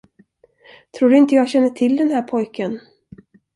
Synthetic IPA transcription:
t̪ʰɾuːɖɵɪnt̪əjɑːɡɕɛnːəʈʰɪld̪ɛnɦæːɾpʰɔjkən

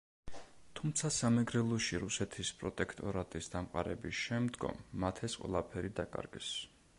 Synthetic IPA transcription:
t̪ʰumt̪sʰasamɛɡɾɛlˠɔʃiɾusɛt̪ʰispʼɾɔt̪ʼɛkʰt̪ʼɔɾat̪ʼisd̪amqʼa̰ɾɛbisʃɛmd̪ɡɔ̰mːat̪ʰɛsqʼwɛ̰lˠapʰɛɾid̪akʼa̰ɾɡɛ̰s

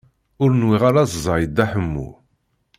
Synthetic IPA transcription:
ʊɾnwiʁaɾazzˤɑʕjəd̪ːæħəmːṵ

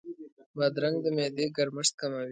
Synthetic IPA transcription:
bad̪ɾaŋɡd̪əmed̪eɡaɾməʂt̪̚kamawi

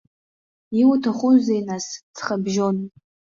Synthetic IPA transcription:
iwutʰaχʷuzejnast͡sʰχabʒon

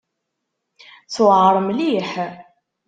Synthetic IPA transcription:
t͡swʕɾˤəmliħ

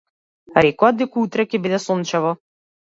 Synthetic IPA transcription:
ɾɛkɔad̪ɛkuut̪ɾɛkʲɛbid̪ɛsɔnt͡ʃɛvɔ

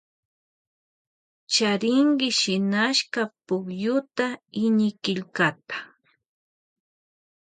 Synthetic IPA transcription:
t͡ʃaɾɪŋɢɪʃɪnaʃkapʊkjʊt̪aɪɲɪkɪʎkat̪ḁ

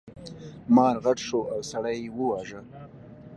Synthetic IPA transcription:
mɑːɾɣaʈʂoʔawsaɽajewəwɑʒə

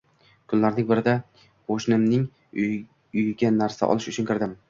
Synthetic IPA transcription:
kʰʊnlaɾnɪŋbɪɾɪd̪a | qʰoʃnɪmnɪŋ | ʊjɡʲanːaɾsa̰ʔɒ̰lˠɪʃʊt͡ʃʰʊnkʰʲɪɾd̪ɪm

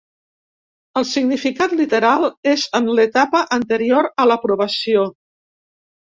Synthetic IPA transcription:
əlˠsiɡnifikat̪lit̪əɾalˠezənlət̪apəʔənt̪əɾioɾələpɾuβ̞əsio

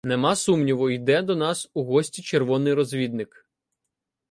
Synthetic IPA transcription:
nemɑsumnʲiʋʊjd̪ɛd̪ɔnɑsuɦɔsʲtʲit͡ʃerʋɔnɪjɾɔzʲʋʲid̪̚nɪk

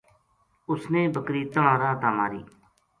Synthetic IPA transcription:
ʊsnẽːbəkɾiːt̪əɳãːɾãːt̪aːma̰ːɾḭː

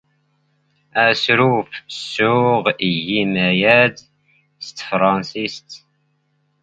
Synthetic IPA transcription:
æsɾufsːʊʁijimæjæd̪ | st̪fɾˤɑnsist̪

